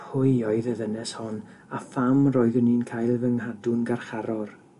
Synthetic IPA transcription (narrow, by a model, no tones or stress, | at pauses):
hʊjɔɨðəðənɛshɔn | afamrɔjðəniːnkʰaːjlˠvəŋhadʊnɡarχaɾɔr